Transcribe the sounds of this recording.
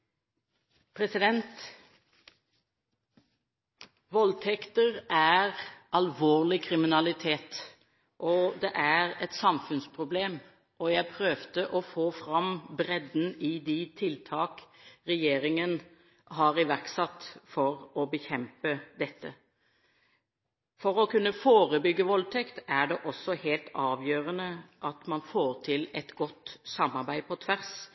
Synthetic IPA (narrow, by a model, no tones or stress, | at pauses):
pʰɾɛsɪd̪ɛnt̪ | ʋɔlt̪ʰɛkt̪əʁæʁɑlʋoːʁlɪkʰɾɪmɪnɑlɪt̪ʰeːt̪ | ʔɔd̪ɛʔæʁɛt̪sɑmfʉnspʰʁʊbleːm | ʔɔjæɪpʰɾøːʋd̪əʔɔfoːfɾɑmbɾɛd̪n̩ɪd̪it̪ʰɪlt̪ʰɑːkɾɛjeːɾɪŋən | ɦɑʁɪʋæʁksɑt̪ːfɔɾɔbəçɛmpəd̪ɛt̪ːə | fɔɾɔkʉnːəfoːʁəbʏɡːəʋɔlt̪ʰɛkt̪æɖɛʔɔsːɔheːlt̪ɑːʋjøːʁənəʔɑt̪mɑnfoːɾt̪ʰɪlɛt̪ɡɔt̪sɑmːɑʁɾbæɪpʰɔt̪ʰʋæʁs